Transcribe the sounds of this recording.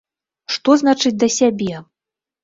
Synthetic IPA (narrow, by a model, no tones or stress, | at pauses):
ʂt̪ɔznat͡ʂɨd͡zʲd̪ɐsʲabʲɛ